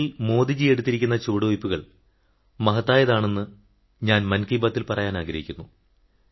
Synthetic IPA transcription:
ilmo̞ːd̪id͡ʑije̞ɽut̪ːiɾikʲːunːɐt͡ɕoːɽuʋjpːuɣɐɭ | mɐɦɐt̪ːaːjɐðaːɳe̞nːɨ | ɲaːnmɐnkijbaːt̪ːilpɐrɐjaːnaːɡɾɐɦikʲːunːu

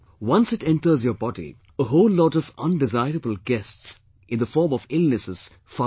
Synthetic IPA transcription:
wʌ̃nsɪʈɛ̃nʈə˞zjəbɔdḭ | əɦoːlːɔːtɔvʌ̃nɖɪzaɪɾəbəl̩ˠɡɛsts | ʔɪ̃nd̪əfɔːɾmɔvɪlnɨsɨz̥ | fa

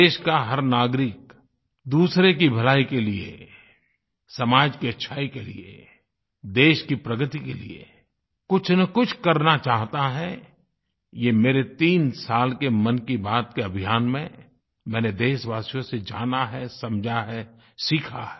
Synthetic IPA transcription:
eːʃkaɦɐɾnaːɡɾɪk | d̪uːsɾekibʱɐlaːikeliḛ | sɐmaːd͡ʒkiɐtːʃʰaːikelḭḛ | d̪eːʃkipɾɐɡət̪ikelḭḛ | kʊt͡ʃʰnəkʊt͡ʃʰkɐɾnat͡ʃaːɦt̪aɦɛ | jemeːɾet̪iːnsaːlkemɐnkibaːt̪keɐbʱijaːnmẽ | mɛ̃ːned̪eːʃʋaːsijõsed͡ʒa̰ːnaɦɛsɐmd͡ʒʱaɦɛ | sikʰaɦɛ

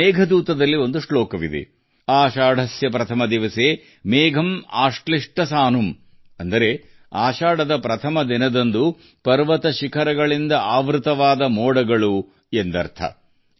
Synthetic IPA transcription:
ɛːɡʱɐd̪uːt̪ɐd̪ɐlːio̞nd̪uʂɭoːkɐʋḭd̪ḛ | aːʃaːɽʱɐsjɐpɾɐt̪ʰɐmɐd̪iʋɐseː | meːɡʱɐmaːʂʈɐliʂʈɐsaːnum | ɐnd̪ɐɾe̞ | aːʃaːɽɐd̪ɐpɾɐt̪ʰɐmɐd̪inɐd̪ond̪u | pɐɾʋɐt̪ɐʃikʰɐɾɐɡɐɭind̪ɐaːʋɾut̪ɐʋaːd̪ɐmoːɽɐɡɐɭu | end̪ɐɾt̪ʰɐ̰

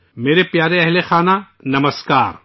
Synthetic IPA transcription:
meːɾepjaːɾeɛɦlexaːna | nɐməskaːɾ

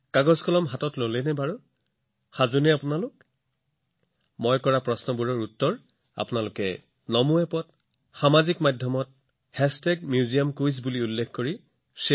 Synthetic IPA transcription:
kaɡɔzkʰɔlɔmɦatɔtlolɛnɛbaɹu | xazunɛapʊnalʊk | mɔjkɔɹapɹɔsnɔbuɹɔɹutːɔɹ | a̰pʊnalʊkɛ̰ | nɔmuɛpɔt | xamazikmadʱjɔmɔt̚ | hɛsteɡ̚mjuziamkujs̬buliulːekʰkoɹi | se

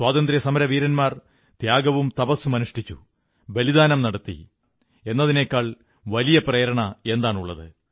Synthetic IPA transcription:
swaːt̪ɐnd̪ɾiɐsɐmɐɾɐʋiːɾɐnmaːr | d̪̥jaːɡɐʋumt̪ɐpɐsːumɐnuʂʈit͡ɕːṵ | belid̪aːnɐmnɐɽɐt̪ːḭ | e̞nːɐðine̞ːkːaːɭ | ʋɐlijɐprɐjɐɾɐɳɐe̞nd̪aːɳuɭːɐ̰ðɨ̰

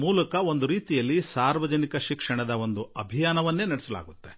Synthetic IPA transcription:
muːlɐkɐo̞nd̪uɾiːt̪ijɐlːisaːɾʋɐd͡ʒɐnikɐʃikʂɐɳɐd̪ɐʋo̞nd̪uɐbʱijaːnɐʋɐnːe̞ːnɐɽesɐla̰ːɡut̪ːe̞

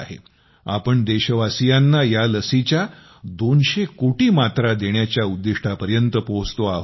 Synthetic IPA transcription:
ɦḛ | a̰pəɳd̪eɕəʋasijanːajaləsit͡ɕja | d̪onɕekoʈiːmat̪ɾad̪eɳ̃jat͡ɕjaud̪ːiʂʈʰapəɾjənt̪əpost̪oaɦ

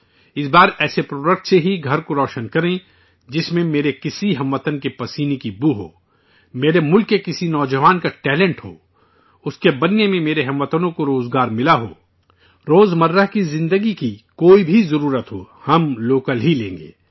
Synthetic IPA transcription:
ɪsbaːɾɛːsepɾoːɖək̚ʈseɦiɡʱɐɾkoɾɔːʃənkɐɾẽ | d͡ʒɪsmẽmeːɾekɪsiɦɐmʋət̪ənkepɐsiːnikibuɦo̰ː | meːɾemʊlkːekɪsinɔːd͡ʒəʋaːnkaʈɛːlə̃ɳʈɦo̰ː | ʊskebɐnːemẽmeːɾeɦɐ̃mʋət̪ənõkoɾoːzɡaːɾmɪlaɦo̰ː | ɾoːzmɐɾːəɦkizɪ̃nd̪əɡikikoːibʱizɐɾuːɾət̪ɦo̰ː | hɐmloːkəlɦilḛ̃ːŋ̆ɡḛː

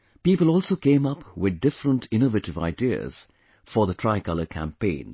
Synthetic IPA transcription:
piːpəlˠɔːlˠsoːkẽɪ̃mʌpwɪd̪̚dɪfɾə̃ntʰɪ̃novəʈɪva̰ɪdiə̰z̥ | fə˞ðətʰɹ̥aɪkʌləkʰæ̰̃mpẽɪ̃n

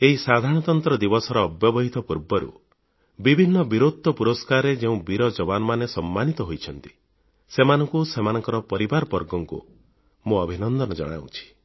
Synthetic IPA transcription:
eɦisad̪ʱaɾɔɽ̃ɔt̪ɔnt̪ɾɔd̪ibɔsɔɾɔːbjɔbɔɦit̪ɔpuɾbɔɾṵ | bibʱinːɔbiɾod̪̚ʱɔpuɾɔskaɾed͡ʒeũbiɾɔd͡ʒɔbanɔmanesɔmːanit̪ɔɦojt͡ʃʰɔn̪t̪i̥ | semanɔŋkusemanɔŋkɔɾɔpɔɾibaɾɔbɔɾɡɔŋkṵ | muɔbʱinɔnd̪ɔnɔd͡ʒɔ̰ɽ̃a̰w̰t͡ʃʰi̥

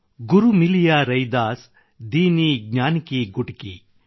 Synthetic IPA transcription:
ɡuɾumilijaːɾɐjd̪aːs | d̪iːniːɡnʲaːnkiɡuʈkḭ

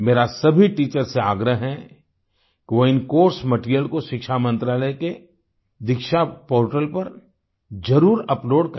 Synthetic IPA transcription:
meːɾasɐbʱiʈiːt͡ʃəɾseaːɡɾəɦɦɛ | kʋoɪnkoːɾsmɐʈɾijəlkoʃɪkʃamɐ̃nt̪ɾaːləjke | d̪ɪkʃapoːɾʈəlpɐɾ | d͡ʒɐɾuːɾɐploːɽk

